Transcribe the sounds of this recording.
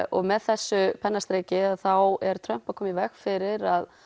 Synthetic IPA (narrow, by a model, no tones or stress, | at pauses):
ɔɣmɛðθɛsːʏpʰɛnːast̪ɾeːjcɪaðθawɛɾ̥t̪ʰɾœm̥pakʰɔːmivɛxfɪɾɪɾað